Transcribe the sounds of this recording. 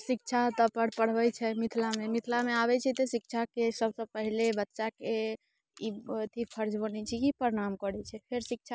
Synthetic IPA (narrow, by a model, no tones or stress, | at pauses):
sik̚t͡ʃʰat̪ɔpəɽ̤pəɽ̤bɛjt͡ʃʰɛmit̪ʰlamemit̪ʰlameabɛt͡ʃʰɛt̪ɔsik̚t͡ʃʰakesəbsəpəɦilebətːʃake | it̪ʰipʰəɾd͡ʒbənɛt͡ʃʰikipəɾɽ̃amkəɽɛt͡ʃʰɛpʰeɾsik̚t͡ʃʰa